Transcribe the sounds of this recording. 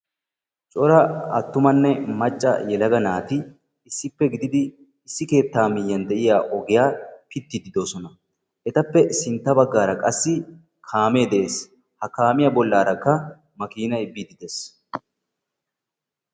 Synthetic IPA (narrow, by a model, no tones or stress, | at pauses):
t͡ʃʼɔɾɐɐ̰t̪ːʊmɐnːɛmɐt͡ʃʼːɐ̰jɛlɐɡɐnaːt̪ɪː | sːɪpːɛɡɪd̪ɪd̪ɪː | sːɪke̞ːt̪ːaːmɪjːɐnd̪ɛʔɪjaːʔɔɡɪjaːpɪt̪ːɪd̪ɪd̪o̞ːsɔnɐ | ʔɛt̪ɐpːɛsɪnt̪ːɐbɐɡːaːɾɐkʼɐsːɪ | kʰaːme̞ːd̪ɛʔe̞ːs | hɐkaːmɪjɐbɔlːaːɾɐkːɐ | mɐkiːnɐjbid̪ɪd̪eːs